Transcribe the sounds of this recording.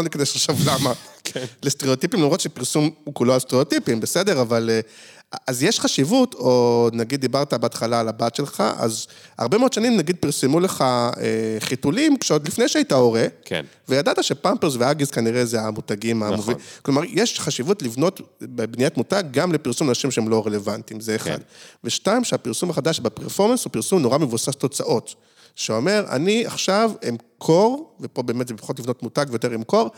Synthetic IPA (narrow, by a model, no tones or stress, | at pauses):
onikad̪ejʃeχʃavlamakleste̞ʁeot̪ipimlamʁo̞t̪ʃepiʁsumukuloast̪eeotipimbesed̪e̞ʁaval | azjeʃχaʃivut̪ʰo̞naɡid̪dːibaʁt̪abeat̪χalaːlabat̪ʃe̞lχa̰ʔa̰za̰ʁbemeod̪ʃanimnaɡid̪̚piʁsemule̞χaeχitulimkʃeod̪lifne̞jʃeajitao̞ʁe̞kʰḛnvejadat̪aʃe̞pampezveaɡizkaniʁezeamutaɡimamoviklomaʁjeʃχaʃivutlivno̞tbebnijatmutaɡːamlepiʁsumanaʃimʃehemlo̞ʁele̞vantimzeːχa̰dveʃtaimʃeapiʁsumaχadaʃbepeʁfo̞ʁmenshupiʁsumnoʁamevusasto̞t͡saʔo̞t | ʃeo̞me̞ʁa̰nia̰χʃavemkʰo̞ʁvepo̞be̞ːmetzeepḁχotlivnotmutaɡvejot̪̬e̞ʁemko̞ʁ